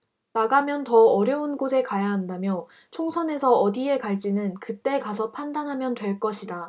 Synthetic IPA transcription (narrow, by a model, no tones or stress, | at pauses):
naɡamjʌntʌʌɾjʌunɡosʰe̞kajaɦandamjʌ | t͡ɕʰoŋsʰʌne̞sʰʌːdie̞kaɭt͡ɕ͈inɯnkɯt͈e̞kasʰʌpʰandanɦamjʌntwe̞ɭk͈ʌɕʰida